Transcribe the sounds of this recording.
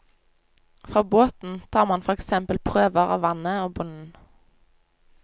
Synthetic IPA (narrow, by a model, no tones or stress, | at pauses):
fʁoːboːt̪n̩t̪ʰɑːʁmɑnfɔʁɛksɛmpəlpʰʁøːʋəʁɑ̰ːʋɑnəoːbʊnn̩